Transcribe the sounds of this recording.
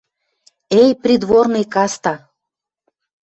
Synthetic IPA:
ejprʲid̪βornɨjkɑst̪ɑ

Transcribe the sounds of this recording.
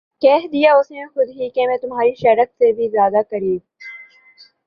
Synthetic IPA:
kɛɦd̪ijaʊsnẽxʊd̪ɦikemɛ̃ːt̪ʊmɦaːɾiʃɐːɾət̪sebʱizjaːd̪akɐɾiː

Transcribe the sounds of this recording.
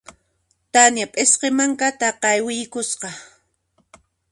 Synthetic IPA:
t̪anjapʼɪsqemaŋkat̪aqɑjwɪjkʊsqɑ

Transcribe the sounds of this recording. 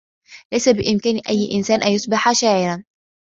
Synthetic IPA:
læjsæbɪʔɪmkæːnʔæjːʔɪnsæːnʔænjʊsˤbɪħaʃæːʕɪɾan

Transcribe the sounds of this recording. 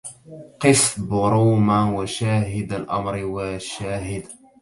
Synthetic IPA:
qɨsˤbʊɾuːmawaʃaːɦɪd̪alʔa̰mɾwaʃaːɦɪd̪

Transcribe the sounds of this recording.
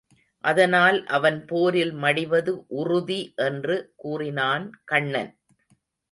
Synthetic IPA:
ʔɐðɐnaːlʔɐʋɐnpoːɾɪlmɐɽɪʋɐðɯʔʊrʊðiʔɛndrɯkuːrɪnaːnkɐɳːɐ̰n

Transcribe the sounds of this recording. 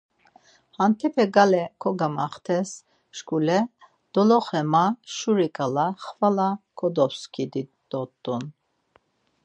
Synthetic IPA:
hant̪ʰɛpʰɛɡalɛkʰɔɡamaχt̪ʰɛs | ʃkʰʼulɛ | d̪̥ɔlɔχɛmaʃuɾikʼalaχvalakʰɔd̪ɔpskʰid̪i | d̪ɔt̪ːun

